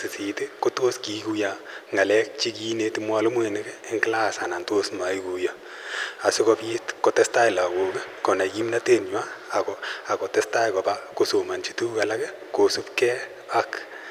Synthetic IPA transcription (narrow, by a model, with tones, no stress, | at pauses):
sɪ˨si˨tɪ˦ko˦to˦ski˨˦ku˦ja˨ | ŋa˨lɛ˦k̚t͡ʃi˦k̬i˦ne˦tɪ˦mwa˨˦lʊ˦mwe˨nɪ˦kɛɪ˦ŋkɪ˦la˦˨sa˨na˨nto˦sma˨i˦ku˨ja˨ | a˨sɪ˦kɔ˦pi˦tko˦tɛ˦sta˦ɪ˨la˨ko˨kɪ˦kɔ˨na˨ki˦mna˦te˦nɲwaː˦˨kɔ˨a˨kɔ˨te˦sta˦jkɔ˨pa˦ko˦so˨ma˨nt͡ʃi˦tu˦ka˨la˦kɪ˦ | ko˨su˦pkɛ˦ | a˦k